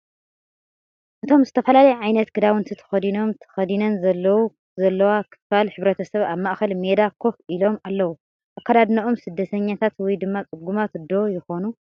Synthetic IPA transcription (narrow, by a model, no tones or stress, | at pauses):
ʔɨt̪ʰo̞mzɨt̪ʰɐfɐlalɐjɛʕajnɐt̪ɡʰɨd̪awɨnt̪ʰit̪ʰɐ̥xɐd̪ino̞mt̪ʰɐ̥xɐd̪inɐnzɐlːɐwu | zɐlːɐwakʰɨ̥falħɨβɾɐt̪ʰɐsɐβaβmaʔxɐlmed̪akʰo̞fʔilo̞malːɐwu | ʔakːad̪ad̪nɐʔo̞msɨd̪ːɐt̪ʰɐɲːat̪ʰat̪wɔjd̪ɨmːat͡sʼɨɡːumat̪d̪ojɪxo̞nu